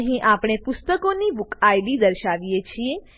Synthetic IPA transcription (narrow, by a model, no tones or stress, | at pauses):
ɦĩʔapɽ̃epʊst̪əkonibukʰajlid̪əɾʃaʋijet͡ʃʰie